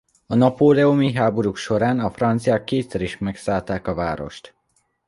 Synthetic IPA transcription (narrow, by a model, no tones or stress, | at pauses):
ɒnɒpoːlɛomiɦaːbo̞ɾukʃo̞ɾaːnɒfrɒnt̪sijakːeːt̪sɛɾiʃmɛksaːlt̪aːkɒvaːɾo̞̰ʃt̪